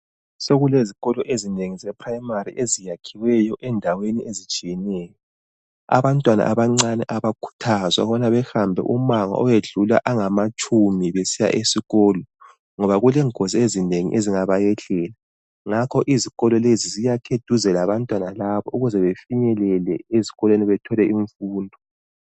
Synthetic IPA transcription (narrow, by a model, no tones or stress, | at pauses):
soɣuleziɣɔlɔʔezineŋizɛpʰraimariʔezijakʰiwɛjɔʔɛndʱaweniezit͡ʃʼijɛnɛːjɔ | a̰βantʼwana̰ʔaβaŋ͡ǀanɛʔaβakʰu̥tʰazwa̰ɣanaβɛxambʱɛ̰ʔumaŋa̰ʔɔweɮula̰ʔaŋamat͡ʃʼumiβesija̰ʔesiɣɔːlɔ | ŋɔβaɣulɛŋʱoziezineŋḭʔeziŋaβajɛɮɛla | ŋakʰɔʔiziɣɔlɔlezizijakʰed̥ʱuzɛlaβantʼwanalaβɔʔuɣuzɛβefiɲɛlɛlɛeziɣɔlweniβɛtʰɔlɛiɱfuːndʱɔ